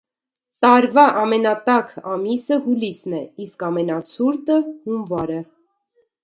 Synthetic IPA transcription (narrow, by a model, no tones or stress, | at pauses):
t̪ɑɾvɑʔɑmɛnɑt̪ɑkʰɑmisəhulisnɛiskɑmɛnɑt͡sʰuɾt̪əhumvɑɾə